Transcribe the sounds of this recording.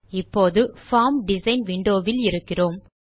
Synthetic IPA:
ɪpːoːðɯfaːmɖɪsɐɪnʋɪɳɖoːʋɪlɪɾɯkːɪroːm

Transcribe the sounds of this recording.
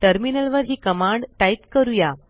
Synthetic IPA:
ʈəɾminəlʋəɾɦiːkəmãɳɖʈait̪kəɾuja

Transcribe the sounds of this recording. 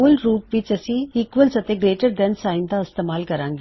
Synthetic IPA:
ɐlɾuːpʋit͡ʃɐsiikʋɐlsɐt̪eɡɾeːʈɐɾɖensaːjind̪ɐɐst̪emaːlkɐɾaːŋɡi

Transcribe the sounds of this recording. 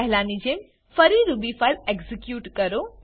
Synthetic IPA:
ɦɪlaːnid͡ʑẽm | fɐɾiɾubifaleɡzikjuːʈkɐɾo

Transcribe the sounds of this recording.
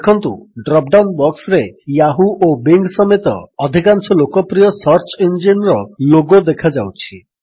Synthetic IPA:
ekʰɔnt̪uɖɾɔp̚ɖawnbɔksɾejaɦuʔobeŋɡsɔmet̪ɔ̰ːd̪ʱikansɔlokɔpɾijɔsɔɾt͡ʃɔind͡ʒinɾɔloɡod̪ekʰad͡ʒawt͡ʃʰi

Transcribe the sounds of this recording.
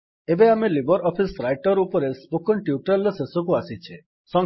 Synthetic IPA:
ebeamelibɔɾɔpʰisɾajʈɔɾupɔɾesbukʰɔɳʈjuʈɔlɔsesɔk̬uasit͡ʃʰe | sɔŋ

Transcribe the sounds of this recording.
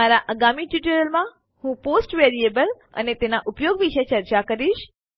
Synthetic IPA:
aɾaʔəɡamiʈuʈəɾəlmã | hũposʈʋeɾiebəl | ə̰net̪enaʔupjoɡʋiʃət͡ʃəɾt͡ʃakəɾiʃ

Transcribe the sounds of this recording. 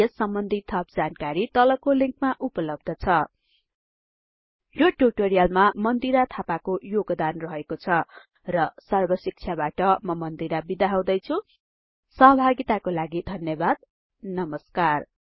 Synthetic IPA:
esʌmbʌnd̪ʱit̪ʰʌp̚d͡zankaɾit̪ʌlʌkoliŋkmaʔupʌlʌb̚d̪ʱʌt͡sʰʌ | joʈuʈoɾijalmamʌnd̪iɾat̪ʰapakojoɡd̪anrʌɦekot͡sʰʌ | rʌsʌrbʌsik̚t͡sʰjabaʈʌmʌmʌnd̪iɾabid̪aɦaw̃d̪ʌjt͡sʰu | sʌɦʌbʱaɡit̪akolaɡid̪ʱʌnjʌbad̪̚ | nʌmʌskar

